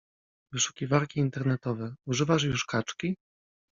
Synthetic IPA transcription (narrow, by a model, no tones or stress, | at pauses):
vɘʂu̥kʲivaɾkʲiːnt̪ɛɾnɛt̪ɔvɛuʐɘvaʂ̬juʂkat͡ʂkʲi